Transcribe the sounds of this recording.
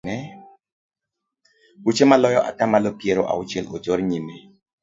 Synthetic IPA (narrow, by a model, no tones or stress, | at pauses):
ɛ | wut͡ʃemalɔjɔʔa̰tamalopjeɾoʔa̰ʊt͡ʃɛlod͡ʒɔɾɲine